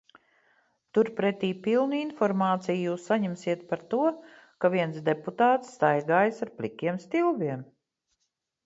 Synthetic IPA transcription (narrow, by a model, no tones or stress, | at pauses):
t̪uɾpɾɛt̪iːpilˠnuinfɔɾmaːt̪sijjuːsːaɲɛmsiɛt̪̚paɾt̪uɔ | kaviɛnsd̪eput̪aːt̪sːt̪ajɡaːjsaɾplʲikʲiɛmst̪ilˠviɛm